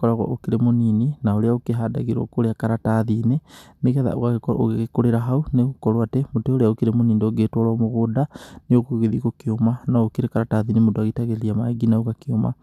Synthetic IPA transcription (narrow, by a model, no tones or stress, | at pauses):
kɔɾaɣwa̰ʔokiɾemonininaoɾeaokeɦadaɣeɾo̰koɾeakaɾataðinemeɣɛða̰o̰ɣaoɣeɣekoɾeɾaɦauneɣokɔɾwatɛmoteoɾeaokiɾemoniːndeoɣetwaɾwamoɣodaneokoɣeðiɣokiomanaokeɾekaɾataðinimodoaɣetaɣeliamaeɡinaoɣakioma̰